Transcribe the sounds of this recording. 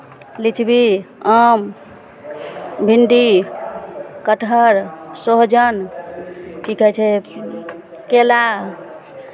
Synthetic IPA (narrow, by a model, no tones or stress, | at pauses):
lit͡ʃʰbiəm | bʱinɖi | kəʈʰəɾsoɦd͡ʒən | kikɦɛt͡ʃʰɛ | kela